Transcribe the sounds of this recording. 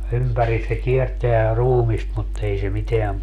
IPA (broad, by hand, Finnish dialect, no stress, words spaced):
ympæris se kierteæ ruːmist mut ei se miteæm